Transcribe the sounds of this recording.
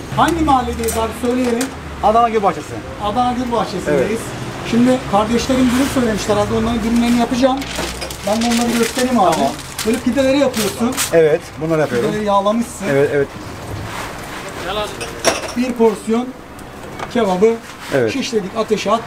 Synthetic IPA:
haɲɟimaalʲːed̪eizaɾsø̞jlʲejeɾim | ad̪anaɟyɾbat͡ʃesɯ | ad̪anaɟyɾbaht͡ʃʰesɯvd̪ejiz̥ | ʃimd̪ɪkʰaɾd̪ɛʃlʲe̞ɾimbunysø̞jlʲe̞miʃlʲɛɾad̪ionlˠaɾɯnɟynymlʲe̞ɾinijapɯd͡ʒaːmbænbunlˠaɾɯɡɟøst̪ʰe̞ɾimaːd̪a | bøːlʲipʰid̪ːe̞lʲe̞ɾijapʰɯjo̞sunɛvɛt̪bunlˠaɾɯjapʰɯjoeɾlʲeɾijaːlˠamɯʃsɯɛvɛt̪ɛvɛt̪ | biɾpʰo̞ɾsijo̞n | cʰevabɯ | ɛ̰vɛʃiʃlʲe̞d̪icat̪ʰeʃat̪

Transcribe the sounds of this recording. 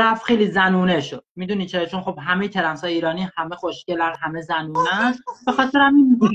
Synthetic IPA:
ɾæfχejliːzænuːneʃod̪̥̚miːd̪uːnicʰet͡ʃʰonxobɦæmejet̪ʰeɾæmsɒːjiːɾɒːnihæmexoʃcelænɦæme̞zænuːnænbexɒːt̪ʰe̞ɾæminu

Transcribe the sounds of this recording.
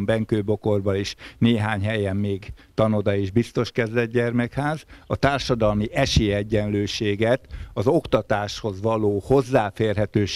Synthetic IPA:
mbɛŋkøːbo̞ko̞rbɒliʃneːɦaːɲɦɛjɛmːeːɡt̪ɒnod̪ɒeːʒbist̪o̞ʃkɛzd̪ɛd̪ɟɛrmɛkhaːzɒt̪aːrʃɒd̪ɒlmiʔɛʃeːɛɟːɛnløːʃeːɡɛt̪ɒzo̞kt̪ɒt̪aːʃho̞zʋɒloːho̞zːaːfeːrɦɛt̪øːʃ

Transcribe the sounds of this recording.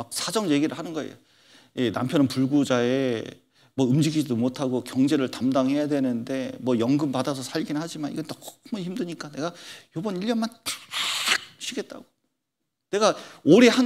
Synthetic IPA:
ak̚sʰad͡ʑʌŋje̞ɡiɾɯɭhanɯnɡʌe̞̰jo | je̞na̰mpʰjʌnɯnpuɭɡud͡ʑae̞ | mwʌɯmd͡ʑiɡid͡ʑidomotʰaɡokjʌŋd͡ʑe̞ɾɯɭtamdaŋɦe̞jadwe̞nɯnde̞mwʌjʌŋɡɯmpadas̬ʰʌsʰaʎɡinɯnɦad͡ʑimanḭɡʌntʌko̥kʰɯmʌnçimdɯɲik͈ane̞ɡajobʌniʎːʌnman | k̚ɕʰiɡe̞t̚t͈a̰ɡo | ne̞ɡaoɾe̞han

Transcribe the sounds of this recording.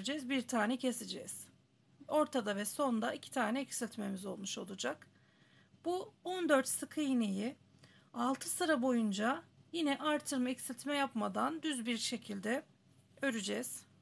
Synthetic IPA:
d͡ʒɛzbiɾt̪ʰaːnɛcʰe̞sed͡ʒɛz̥ | o̞ɾt̪ʰad̪avɛso̞nd̪aicʰi̥t̪ʰaːnɛɛcsilʲt̪me̞mizo̞lˠmuʃo̞̰lˠud͡ʒak | buond̪ø̞ɾt̪sɯkʰɯjneji | alˠt̪ʰɯsɯɾabo̞jund͡ʒajinɛʔaɾt̪ʰɯɾmaicsilʲt̪mɛjapmad̪and̪yzbiɾʃe̞cʰilʲd̪ɛ | øɾyd͡ʒɛz̥

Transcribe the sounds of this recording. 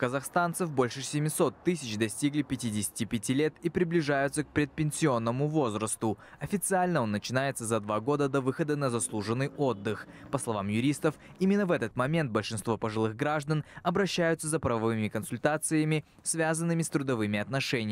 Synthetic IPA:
kəzɐxst̪ant̪səfbo̞lʲʂɨsʲɪmʲɪso̞t̪ːɨsʲɪt͡ɕd̪ɐsʲtʲiɡlʲɪpʲɪtʲidʲɪsʲɪ̥tʲɪpʲɪtʲilʲe̞t̪ipɾʲɪblʲɪʐajʊt̪sək̚pɾʲɪt̪̚pʲɪnʲsʲɪo̞nːəmʊvo̞zɾəst̪ʊɐfʲɪt̪sɨalʲnəo̞nːət͡ɕɪnajɪt̪səzɐd̪vaɡo̞d̪əd̪ɐvɨxəd̪ənəzɐslˠuʐɨnːɨjo̞d̪ːɨxpəslˠɐvamjʊɾʲist̪əfimʲɪnːəvɛt̪ət̪mɐmʲe̞nt̪̚bəlʲʂɨnst̪vo̞pəʐɨlˠɨɣɡɾaʐd̪ənɐbɾɐɕːæjʊt̪səzəpɾɐvɐvɨmʲɪkənsʊlʲt̪at̪sɨjəmʲɪ | svʲazənːɨmʲɪst̪ɾʊd̪ɐvɨmʲɪɐt̪nɐʂɛnʲɪ

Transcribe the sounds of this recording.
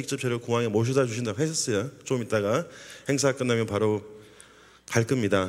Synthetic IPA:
ik̚t͡ɕ͈ɯp̚t͡ɕʰeɾokuŋaŋemoɕ̬ʰodat͡ɕuɕʰindaɡoɦesʰʌs͈ʌjot͡ɕ͈omit̚t͈aɡahe̞ŋs̬ʰak͈ɯnːamjʌnpaɾo | kaɭk͈ɯmɲida

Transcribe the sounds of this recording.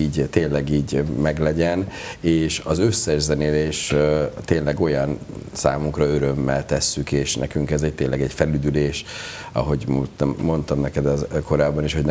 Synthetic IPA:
iːɟt̪eːnlɛɡiːɟmɛɡlɛɟɛneːʃɒzøsːɛʒzɛneːleːʃt̪eːnlɛɡo̞jɒnsa̰ːmuŋkrɒø̞ɾø̞mːɛlt̪ɛsːykeːʃnɛ̰kyŋkɛzɛc̚t̪eːlɛɡɛcfɛlyd̪yleːʃ | ɒ̰ɦo̞ɟmot̪ːo̞nt̪ɒmnɛkɛd̪ɒko̞ɾaːbɒniʃho̞ɟn

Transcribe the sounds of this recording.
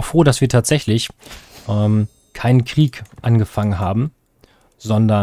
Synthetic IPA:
aʊxfʁ̥oːɾasv̥iːɐtʰaːtz̥ɛçlɪçʔɛːm | kʰaɪnənkʁ̥iːkʔanɡəfaŋənɦaːbm̩ | zɔndɐ

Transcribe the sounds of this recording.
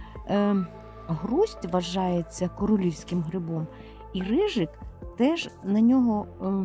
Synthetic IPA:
ɦrusʲtʲʋɐʒɑjet͡sʲːɐkɔɾɔlʲiwsʲkɪmɦɾɪbɔm | irɪʒɪkt̪ɛʒnɐnʲɔɦɔ

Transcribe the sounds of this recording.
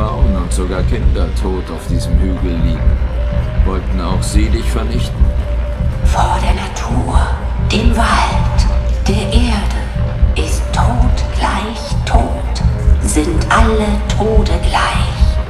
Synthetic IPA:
ʁaʊənʊntz̥oɡaːɐkʰɪndɐtʰoːtaʊfd̥iːzəmhyːɡl̩ːiːɡŋ̩vɔltn̩aʊxz̥iːnɪçtfɛɐnɪçtn̩ | foːɐdeːɐnatʰuːɐ | d̥eːmvaltd̥eːɐʔeːɐdəʔɪstʰːoːtɡ̥laɪçtʰoːtz̥ɪntʔalətʰoːtəɡlaɪç

